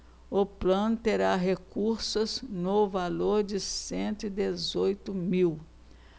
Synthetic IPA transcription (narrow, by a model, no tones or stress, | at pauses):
ʊplɐ̃nʊt̪eɾaɦekuɾsʊznʊvaloɾd͡ʒɪsẽnt̪ʊɪd̪ezojt̪ʊmiw